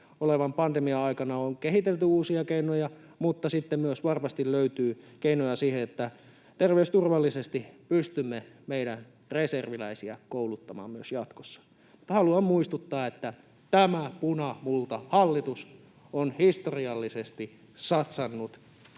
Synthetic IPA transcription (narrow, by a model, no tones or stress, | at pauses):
oleʋɑmpɑnd̪emiɑɑikɑnɑoŋkehit̪elt̪yuːsiɑkeinojɑ | mut̪ːɑsit̪ːemmyøsʋɑrmɑst̪illøyt̪yːkeinojɑsiːheet̪ːæ | t̪erʋeyst̪urʋɑlːisest̪ipyst̪ymːemeiɾæn | reserʋilæisiæ̰koulut̪ːɑmɑ̰ːmmyøsjɑt̪ko̥sːɑ̥ | mu̥t̪ːɑhɑluɑmmuist̪ut̪ːɑːet̪ːæ | t̪æmæpunɑmult̪ɑhɑlːit̪us | onhist̪oriɑlːisest̪i | sɑt̪sɑnːut̪